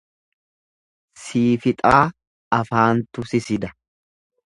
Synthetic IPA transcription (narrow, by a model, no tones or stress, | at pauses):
siːfɪt̪ʼaː | ɐfaːnt̪ʊsɪsɪd̪ɐ